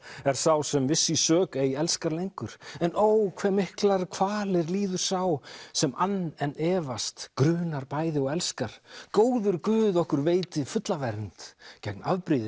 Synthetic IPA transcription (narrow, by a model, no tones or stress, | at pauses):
ɛɾ̥θawsɛmvɪsːisœːkejɛlskaɾlejŋkʏɾ̥ɛnʔoːwkʰv̥ɛːmɪhklaɾ̥kʰv̥aːlɪɾliːðʏɾ̥sawsɛmʔanːɛnːɛːvast̪kɾʏːnaɾpaːjðɪɔɣɛlskaɾ̥koːwðʏɾkvʏːðɔhkʏɾveːjt̪ɪfʏt̪lavɛɾnt̪cɛk̚naðpɾiðɪ